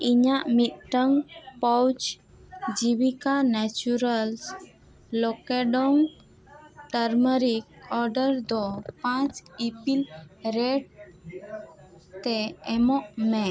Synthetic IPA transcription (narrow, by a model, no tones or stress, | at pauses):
iɲaʔmit̪̚ʈəŋpɔwt͡ʃ | d͡ʒibikanɛt͡ʃuɾəls | lɔkɛɖɔŋ | ʈəɾməɾik̚ɔɾɖəɾd̪ɔpãt͡ʃipilɾɛɖ | t̪ɛɛmɔʔmɛ̃